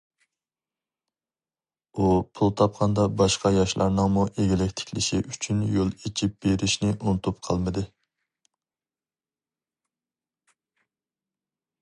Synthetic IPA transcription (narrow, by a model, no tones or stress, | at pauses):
upʰulˠt̪ʰɑp̚qʰɑnd̪ɑbɑʃqɑjɑʃlˠɑ̰ɾnɨŋmuʔeɡʲilɛkʲt̪ʰɪ̥kʲlɪʃḭʔyt͡ʃʰynjolˠet͡ʃʰip̚b̥eɾɪʃnɪʔunɨt̪ʰupqʰɑlˠmɨd̪ɨ